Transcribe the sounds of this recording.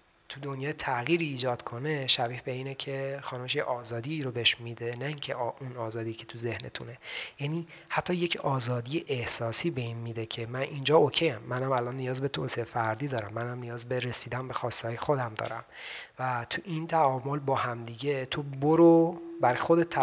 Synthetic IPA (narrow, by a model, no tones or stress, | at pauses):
t̪ʰud̪o̞njɒːjet̪ʰæɣiːɾiːd͡ʒɒːd̪̥kʰo̞ne̞ʃæbiːhbe̞iːnecʰe̞xɒːnumeʃ̬jeʔɒːzɒːd̪iːɾo̞beʃmid̪enæiːŋcʰe̞unɒːzɒːd̪icʰe̞̥t̪ʰuze̞hne̞̰t̪ʰṵne̞jæniː | hæt̪ʰːɒːje̞cʰɒːzɒːd̪ijeʔehsɒːsiːbe̞inmid̪ecʰemænʔind͡ʒɒːocʰejæmːænhæmælʔɒnːijɒːzbe̞t̪ʰoːsiefæɾd̪iːd̪ɒːɾæmːænhæmnijɒːzbe̞ɾesiːd̪ænbe̞xɒːst̪ehɒːjexo̞d̪æmd̪ɒ̰ːɾæm | væt̪ʰuʔint̪ʰæɒːmolbɒːhæmd̪iɟe̞t̪ʰoboɾobæɾɒjxod̪et̪ʰː